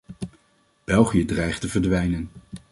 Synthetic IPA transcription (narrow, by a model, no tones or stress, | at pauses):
b̥ɛlˠχijədrɛjχtəvəɹdʋɛjnən